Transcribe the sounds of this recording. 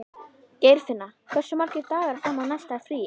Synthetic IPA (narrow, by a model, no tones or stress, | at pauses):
cejɾ̥fɪnːakʰvɛr̥sʏmaɾ̥cɪɾt̪aːɣaɾaθanːanajst̪afɾiː